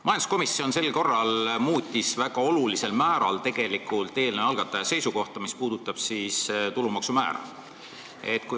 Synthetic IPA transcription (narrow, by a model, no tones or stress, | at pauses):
mɑjɑnd̪u̥sko̞misːio̞nse̞lko̞rːɑlmuːt̪ʲːisvæɡ̥ɑo̞lulise̞lmæːɾɑ̰lt̪e̞ɡ̥e̞likult̪ːˑe̞ːlneɑlɡ̥ɑt̪ːˑɑjɑse̞jsuko̞ht̪ɑmispuːd̪ut̪ːˑɑb̥sist̪ulumɑksumæ̰ːɾɑ̰ | e̞̰t̪ku